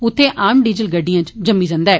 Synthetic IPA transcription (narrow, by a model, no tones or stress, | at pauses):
ʊt̪ʰːeːʔaːmɖiːd͡ʒəlɡəɖːɪjãːt͡ʃd͡ʒəmːiːd͡ʒãːnd̪aɛː